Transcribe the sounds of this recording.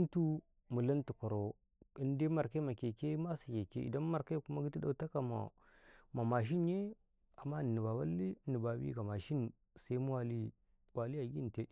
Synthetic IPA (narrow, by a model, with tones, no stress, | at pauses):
n˦tu˦ | mu˨la˦ntu˨ko˨ɾo˨ | i˦n˦de˦ma˨ɾka˦i˦ma˨ke˨ke˦ma˦sa˨ke˨kḛ˦ḭ˨da˦n˦ma˨ɾka˦i˦ku˦ma˦ɡi˦ti˦da˨ta˦ka˨ma̰˨ | ma˨ma˨ʃ̬i˦n˦je˦ | a˨mːa˦˨ni˨ba˨wa˦lːi˦ni˨ba˨bḭ˦ɡa˨ma˨ʃi˦n˨ | sa˦i˦mu˦wa˦li˦ | wa˨li˦a˨ɡi˦n˨te˦